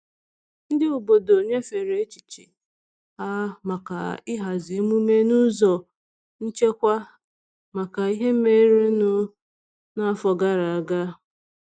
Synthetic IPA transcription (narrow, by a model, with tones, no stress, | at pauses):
n̩˦dɪ˦u˨bo˨do˨ɲe˦fe˨ɾe˨˦t͡ʃi̥˨t͡ʃḭ˨ | a˦ma˨ka̰˨ɪ˦ɦa˨zɪ˨˦mu˦me˦nʊ˦zɔ˨ | n̩˦t͡ʃe˦kʷa˦ | ma˨ka˨i˦ɦe˦m̩˦me˦ɾe˦nʊ˦ | na˦fɔ˨ɡa˦ɾa˨a˨ɡa˦